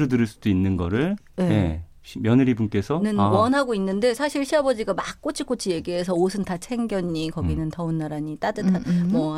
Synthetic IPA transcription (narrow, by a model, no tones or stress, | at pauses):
ɾodɯɾɯɭs͈u̥doinːɯnɡʌɾɯɭ | nejḛ | ɕmjʌnɯɾibunk͈e̞sʰʌnɯnwʌnɦaɡoinːɯnde̞sʰaɕʰiɭɕʰiabʌd͡ʑiɡamakk͈ot͡ɕʰik͈ot͡ɕʰije̞ɡiɦe̞sʰʌosʰɯntat͡ɕʰe̞ŋɡjʌɲːikʌɡinɯntʌɯnːaɾaɲit͈adɯtʰamʌ